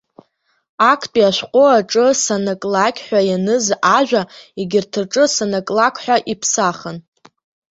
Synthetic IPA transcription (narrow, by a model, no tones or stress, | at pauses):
akʰtʼiaʃʷqʷʼʊaʈ͡ʂʼɨsanakʼlakʲʼħʷᶣajanɨzaʒᶣʷaeɡʲɪrtʰɨrʈ͡ʂʼɨsanakʼlakʰʼħʷᶣaʔipʰsaχən